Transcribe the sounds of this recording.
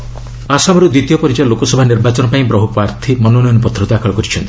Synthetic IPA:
asamɔɾud̪it̪ijɔpɔɾid͡ʒalokɔsɔbʱaniɾbat͡ʃɔnɔpaĩbɾɔɦupaɾt̪ʰimɔnonɔjɔnpɔt̪ʰːɾɔd̪akʰɔɭɔkɔɾit͡ʃʰɔnt̪i

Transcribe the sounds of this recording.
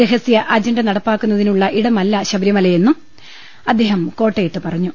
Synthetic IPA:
ɾeɦɐsjɐʔɐd͡ʑɐɳɖɨnɐɽɐpːaːkːunːɐðinuɭːɐʔiɽɐmɐlːɐɕɐbɾjɐmɐlɐjenːum | ɐd̪ːe̞ːɦɐmko̞ːʈːejit̪ːɨpɐrɐɲːu

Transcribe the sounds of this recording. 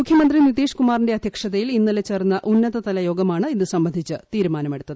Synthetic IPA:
mukʰjɐmɐnd̪rinit̪iːʂkumaːrinde̞ɐd̪ʱjɐkʂɐðɐjilinːɐlet͡ɕːeːrnːɐʔunːɐðɐt̪ɐlɐjo̞ːɡɐmaːɳɨinːɨsɐmbɐnd̪ʱit͡ɕːɨt̪iːɾumaːnɐmeɽut̪ːɐðɨɨ

